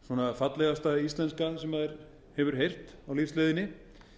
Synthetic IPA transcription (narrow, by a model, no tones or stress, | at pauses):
sɔnafat̪lɛɣast̪aist̪lɛnskasɛmaðɛɾ̥ | hɛvʏɾ̥ɦejr̥t̪awlifsleːðɪnːɪ